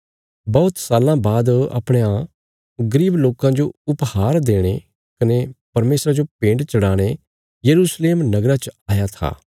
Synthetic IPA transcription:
bɔʊt̪saːlãbaːd̪ɐ̰pɽ̃ejã | ɡɐɾiːbloːkãd͡ʒoʊphaːɾd̪eːɽ̃e | kɐnepɐɾmeːsɾad͡ʒopẽːɳɖt͡ʃɐɽaːɽ̃e | jɐɾuːsleːmnɐɡɾat͡ʃaːjat̪ʰa̰ː

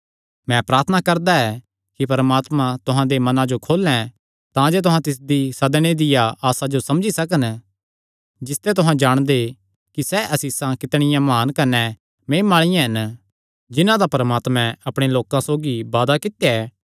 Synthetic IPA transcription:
mɛ̃pɾaːɾt̪ʰənakɐɾd̪aɛː | kipɐɾmaːt̪mãt̪ʊɦãd̪emɐnãd͡ʒokʰoːlɛ̃ | t̪ãd͡ʒet̪ʊɦãt̪ɪs̬d̪isɐd̪ɽ̃ed̪ɪjaaːsad͡ʒosɐmd͡ʒisɐkən | d͡ʒɪst̪et̪ʊɦãd͡ʒaːɽ̃d̪e | kisɛʔɐsiːsãkɪt̪ɽ̃ɪjãmaːnkɐnɛ | mẽːmaːɭ̃ɪjãɦɐn | d͡ʒɪnãd̪apɐɾəmaːt̪mɛ̃ɐpɽ̃eloːkãsoːɡiʋaːd̪akɪt̪jaɛː

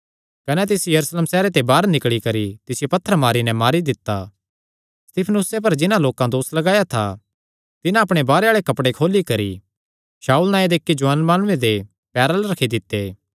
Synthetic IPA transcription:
kɐnɛt̪̬ɪsjɐɾusleːmsɛːɾet̪ebaːɾnɪkɭikɐɾit̪ɪsɪjepɐt̪ʰːəɾmaːɾinɛmaːɾid̪ɪt̪ːa̰ | st̪ɪpʰnʊsep̬ɐɾd͡ʒɪnãloːkãd̪oːslɐɡaːjat̪ʰa̰ | t̪ɪnãɐpɽ̃ebaːɾeaːɭekɐpɽekʰoːlikɐɾḭ | ʃaːuːlnãːjed̪eːkːid͡ʒʊənmaːñʊ̃ẽd̪e | pɛːɾalɾɐkʰid̪ɪt̪ːeː

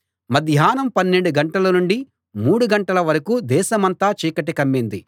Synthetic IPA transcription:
mɐd̪ʱjaːnɐmpɐnːeɳɖuɡɐɳʈɐlɐnuɳɖi | muːɽuɡɐɳʈɐlɐʋɐɾɐkud̪ɛːʃɐmɐnt̪aːt͡ʃiːkɐʈikɐmːind̪i

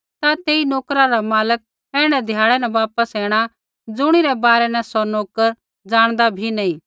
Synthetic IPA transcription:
t̪at̪eːinoːkɾaɾamaːlək̚ | ɛːɽ̃ɛ̃d̪ʱjaːɭɛnɛʋaːpəsɛːɽ̃a | d͡zʊɽ̃iɾɛbaːɾɛnɛ̃sɔnoːkəɾ | d͡ʒaːɽ̃d̪abʱinɐĩː

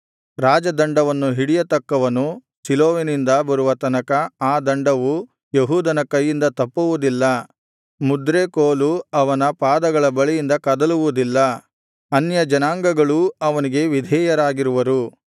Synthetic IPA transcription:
ɾaːd͡ʒɐd̪ɐɳɖɐʋɐnːuɦiɽijɐt̪ɐkːɐʋɐnu | siloːʋenind̪ɐbɐɾuʋɐt̪ɐnɐkɐaːd̪ɐɳɖɐʋu | jeɦuːd̪ʱɐnɐkɐjːind̪ɐt̪ɐpːuʋud̪ilːɐ | mud̪ɾeːkoːluɐʋɐnɐpaːd̪ɐɡɐɭɐbɐɭijind̪ɐkɐd̪ɐluʋud̪ilːɐ | ɐnjɐd͡ʒɐnaːŋɡɐɡɐɭuɐʋɐniɡe̞ʋid̪ʱɛːjɐɾaːɡiɾuʋɐɾu

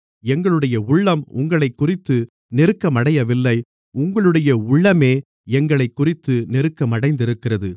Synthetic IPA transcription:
ɛŋɡɐɭɯɽɐjɐʊɭːɐmʊ̰ŋɡɐɭɐɪkːʊrɪt̪ːɯ | nɛɾɯkːɐmɐɽɐjɐʋɪlːɐɪ | ʊŋɡɐɭɯɽɐjɐʊɭːɐmeː | ɛŋɡɐɭɐɪkːʊrɪt̪ːɯnɛɾɯkːɐmɐɽɐɪnd̪ɪɾɯkːɪrɐðɯ

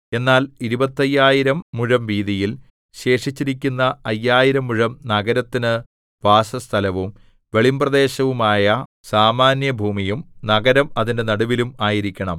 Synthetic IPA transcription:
e̞nːaːliɾubɐt̪ːɐjːaːjiɾɐmːuɻɐmʋiːðijil | ɕe̞ːʂit͡ɕːiɾikʲːunːɐɐjːaːjiɾɐmːuɻɐmnɐɡɐɾɐt̪ːinɨ | ʋaːsɐst̪ʰɐlɐʋum | ʋe̞ɭimbrɐðe̞ːɕɐʋumaːjɐ | saːmaːnjɐbʱuːmijumnɐɡɐɾɐmɐðinde̞nɐɽuʋilumaːjiɾikʲːɐɳɐm

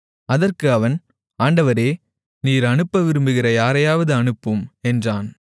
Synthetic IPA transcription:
ɐðɐrkɯɐʋɐn | aːɳɖɐʋɐɾeː | niːɾɐnɯpːɐʋɪɾɯmbɯɣɪrɐjaːɾɐjaːʋɐðɯɐnɯpːɯmɛndraːn

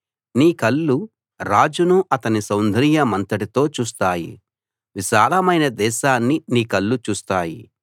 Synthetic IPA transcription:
niːkɐlːu | ɾaːd͡ʒunuʔɐt̪ɐnisɐwnd̪ʱɐɾijɐmɐnt̪ɐʈit̪o̞ːt͡ʃuːs̬t̪aːjḭ | ʋiʃaːɾɐmɐjnɐd̪ɛːʃaːnːiniːkɐlːut͡ʃuːst̪aːjḭ

